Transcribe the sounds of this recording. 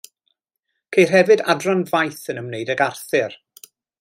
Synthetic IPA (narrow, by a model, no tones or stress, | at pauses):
kʰejrɦɛvɨda̰drɔnvajθənəmnejdəɡarθɨr